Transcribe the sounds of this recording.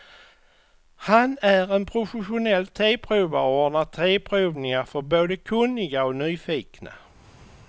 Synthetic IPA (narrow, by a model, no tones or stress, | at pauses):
hanæɾɛnpʰɾʊfɛɧʊnɛlːt̪ʰeːpʰɾʉːvaɾoːɳat̪ʰeːpʰɾʉːvnɪŋafœɾboːd̪əkʰɵnːɪɡaɔnyːfiːkna̰